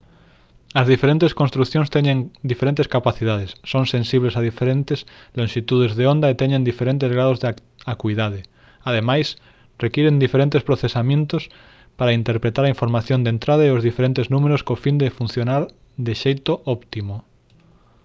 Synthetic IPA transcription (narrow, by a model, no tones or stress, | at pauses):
ɐzðifeɾent̪eskõnst̪ɾuθjõnst̪ɛɲẽŋd̪ifeɾent̪eskapaθiðaðesːoŋsẽnsiβlesaðifeɾent̪eslõŋʃit̪uðezðeond̪aet̪ɛɲẽnd̪ifeɾent̪ezɣɾaðozð | akuiðað̞ɪ | aðemajs | rekiɾend̪ifeɾẽnt̪espɾoθesamjẽnt̪ʊs | paɾaint̪eɾpɾet̪aɾɐĩɱfoɾmaθjõnd̪ent̪ɾaðaeozðifeɾent̪eznũmeɾoskofind̪efunθjonaɾ | d̪ɪʃejt̪oʔɔpt̪imo